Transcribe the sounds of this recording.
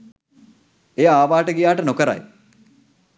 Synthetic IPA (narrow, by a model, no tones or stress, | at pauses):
ejaːʋaːʈəɡijaːʈənokəɾa̰j